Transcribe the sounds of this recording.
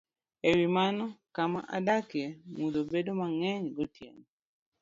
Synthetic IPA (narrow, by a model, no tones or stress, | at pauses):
ewimanɔkama̰ʔa̰dakɪɛmudobedomaŋɛɲɡɔtjḛŋ